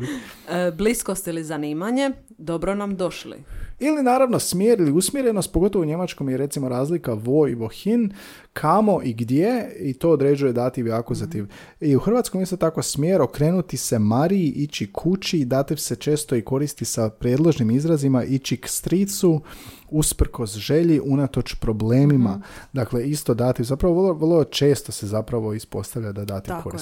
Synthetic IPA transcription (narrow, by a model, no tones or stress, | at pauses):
bliskost̪ilizaniːmaɲe | d̪o̞bɾonamd̪oʃlḭilinaːɾaʋno̞smjeːɾiliusmʲje̞ɾe̞nost̪̚poɡo̞t̪oʋouɲe̞mat͡ʃko̞mjeɾe̞t̪simo̞ɾaːzlikaʋo̞iʋo̞xin | kʰamo̞ʔiɡd̪jeit̪o̞ːd̪ɾe̞ːd͡ʒuje̞d̪at̪iʋjakuzat̪iʋ | iuxr̩ʋat̪skomist̪o̞t̪ako̞smjeːɾo̞kɾe̞nut̪ise̞maɾiiʔit͡ʃikʰut͡ʃid̪at̪ifse̞t͡ʃe̞ːst̪o̞iko̞ɾist̪isapɾjed̪lˠoʒnimizɾazimaʔit͡ʃikst̪ɾit̪su | uspr̩ko̞sʒe̞ʎiʔunat̪o̞t͡ʃpɾo̞ble̞ːmimad̪akle̞ist̪o̞d̪at̪ifzapɾaʋorloʋərlˠo̞t͡ʃe̞ːst̪o̞se̞zapɾaʋo̞ispo̞st̪aʋʎad̪ad̪aːt̪ifkoɾiss